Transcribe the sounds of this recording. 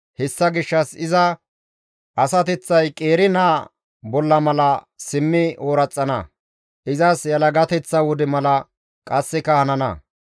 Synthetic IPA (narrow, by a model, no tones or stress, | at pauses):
hɛsːɐɡɪʃːɐsɪzɐ | ʔɐsɐt̪ɛt͡sːɐjkʼeːɾɪnaː | bɔlːɐmɐlɐ | sɪmːɪoːɾɐt͡sʼːɐnɐ̰ | ʔɪzɐsjɐlɐɡɐt̪ɛt͡sːɐwɔd̪ɛmɐlɐ | kʼɐsːɪkɐhɐnɐnɐ̰